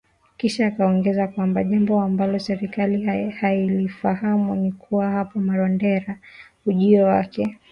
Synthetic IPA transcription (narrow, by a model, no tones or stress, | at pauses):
kiʃaːkaɔŋɡɛzakwambaʄambɔambalɔsɛɾikalihailifahamunikʰuwahapɔmaɾɔndɛɾa | uʄiɔwakɛ